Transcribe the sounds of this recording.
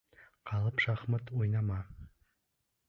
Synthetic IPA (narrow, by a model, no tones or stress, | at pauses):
qʰɑlˠəpʃɑχmət̪ojnɑmɑ